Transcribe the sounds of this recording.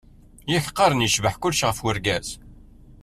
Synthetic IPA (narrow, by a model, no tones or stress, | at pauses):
jəçəqːɑɾˤənjəʃvəħkʊlːʃʁəfwəɾɡæz̥